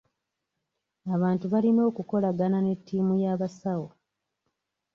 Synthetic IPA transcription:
aβaːntuβalino̞ːkuko̞laɡanane̞tʰːiːmujaːβasawo̞

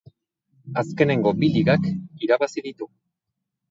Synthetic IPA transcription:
aske̞ne̞ŋɡo̞biliɣakiɾaβasiðit̪u

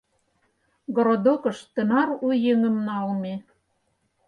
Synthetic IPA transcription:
ɡoɾod̪okɤ̆ʃt̪ə̆nɑɾujĕŋə̆mnɑlme

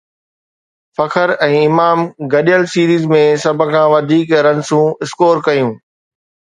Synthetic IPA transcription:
fɐkʰəɾɛ̃ːɪmaːmɡɐɗijəlsiːɾiːzmẽsɐbʱʊ̆kʰãːʋɐd̪ʱiːkɾɐ̃nsũɪskoːɾkɐjũː

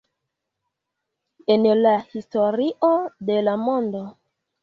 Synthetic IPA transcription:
enlahistoɾiʔodelamondo

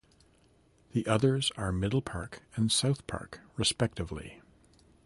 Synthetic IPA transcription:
ðiʔʌðə˞zə˞mɪɾl̩ˠpʰɑɹkʰɨ̃nsaʊθpʰɑ̰ɹkɹɨspɛk̚tɨvlḭ

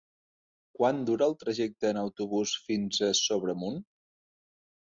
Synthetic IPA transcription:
kwand̪uɾəːlˠt̪ɾəʒɛk̚t̪əːnəwt̪uβusfinzəsoβɾəmun

